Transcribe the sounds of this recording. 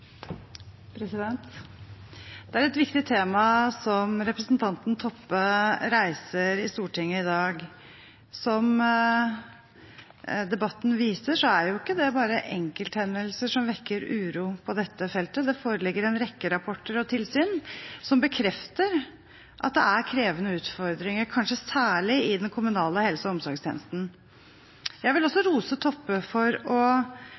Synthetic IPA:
pʰɾɛsɪd̪ɛnt̪ | d̪̥ɛæɾɛt̪ʋɪkt̪ɪt̪ʰeːmɑsɔmɾɛpɾəsnt̪ʰɑnt̪n̩t̪ʰɔpːəɾæɪsəɾɪst̪uːʈʰɪŋːəɪd̪ɑːɡ | sɔm | d̪ɛbɑt̪ːn̩ʋiːsəʂɔæɾjʊɪkːəd̪ɛbɑːɾəʔɛŋkəlt̪hɛnːəlsəʂɔmʋɛkːəɾʉːɾuːpʰɔd̪ɛt̪ːəfɛlt̪əd̪ɛfoːɾəlɪɡːəɾɛnɾɛkːəɾɑpʰɔʈːəɾɔt̪ʰɪlsyːnsɔmbəkʰɾɛft̪əɾ | ʔɑ̰t̪̚d̪ɛæɾkʰɾeːʋənəʉːt̪fɔɾd̪ɾɪŋəɾkʰɑnʂəsæːɭɪɪd̪ɛnkʰʊmʉnɑːləhɛlsəɔmsɔɾɡst̪ʰɛ̰ːnəst̪n̩ | jæɪʋɪlɔsːɔɾuːsət̪ʰɔpːəfɔɾɔ

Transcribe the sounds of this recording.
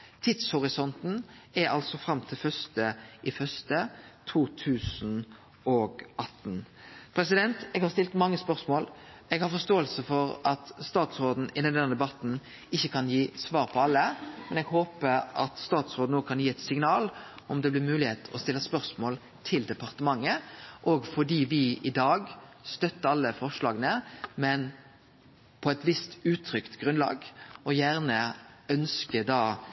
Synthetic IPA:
t̪ʰɪd̪shɔɾɪsɔnt̪n̩ɛɾɑ̰lsɔfɾɑmːt̪ʰɪlfœst̪əʔɪfœst̪ət̪ʰuːt̪ʰʉːsn̩ | ɔɡʔɑt̪n̩ | pʰɾɛs̬ɪd̪ɛnt̪ɛɡhɑɾst̪ɪlt̪mɑŋːəspœʁsmoːl | ɛɡhɑɾfɔst̪oːəlsəfɔɾɑt̪st̪ɑːt̪sʁoːd̪n̩ɪd̪ɛnd̪ɛnːəd̪ɛbɑt̪n̩ | ɪçːəkʰɑnjiːsʋɑːɾpʰɔɑlːəmɛnɛɡɦoːpəʔɑt̪st̪ɑːt̪sʁoːd̪nouːkʰɑnjiːɛt̪sɪŋnɑːlɔmd̪ɛblɪɾmʉːlɪheːt̪ʰɔst̪ɪlːəspœɾsmoːl | t̪ʰɪld̪ɛpɑʁt̪əmɑŋːəʔɔɡfɔɖiːʋɪʔɪd̪ɑːɡst̪œt̪ːəɑlːəfɔʁʂlɑːɡnəmɛn | pʰɔɛt̪ʋɪst̪ʉːt̪ʰɾʏkt̪ɡʁʉnlɑ̰ːɡɔjæːʁnəœnskəd̪ɑː

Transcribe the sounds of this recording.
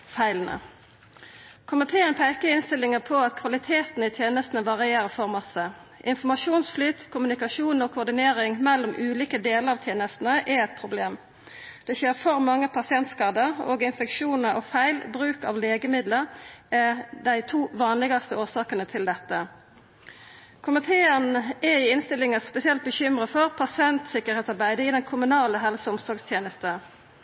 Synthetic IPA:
fæɪlənə̰ | kʰʊmɪt̪ʰeːənpʰæɪkəɪnst̪ɪlːɪŋəpʰɔɑt̪kʰʋɑlɪt̪ʰeːt̪n̩ɪt̪ʰjeːnəst̪n̩əʋɑʁɪeːʁəfɔʁmɑsːəʔɪnfɔmɑʂuːnsflyːt̪kʰʊmʉnɪkɑʃuːnoːkʰʊʁd̪ɪneːɾɪŋmɛlːɔmʔʉːliːkəd̪eːləɾɑːʋt̪ʰjeːnəst̪n̩əʔɛɛt̪̚pʰʁʊbleːm | d̪̥ɛɕeːʁfɔʁmɑŋːəpʰɑsɪɛnt̪skɑːd̪əʁo̰ːɡɪnfɛkʃuːnəɾo̰ːfæɪlbʁʉːkɑ̰ʋleːɡəmɪd̪ləɛd̪æɪt̪ʰuːʋɑːnlɪɡɑst̪əoːsɑːkənət̪ʰɪld̪ɛt̪ːə | kʰʊmɪt̪ʰeːənɛɪɪnst̪ɪlɪŋəspɛsɪɛlt̪̚bəçʏmʁəfɔʁpʰɑsɪɛnt̪sɪkəʁheːt̪sɑʁbæɪd̪əɪd̪ɛnkʰʊmʉnɑːləɦɛlsəʊmsɔɡst̪ʰjeːnəst̪ə

